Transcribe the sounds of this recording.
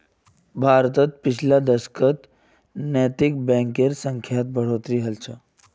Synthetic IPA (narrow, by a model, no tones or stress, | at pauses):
bʱaːɾt̪ət̪̚pit͡ʃʰlad̪əskət̪ | nət̪ik̚bɛ̃ŋkeɾsə̃ŋkʰjat̪̚bʱəɽ̤ot̪ɾiɦəlt͡ʃʰə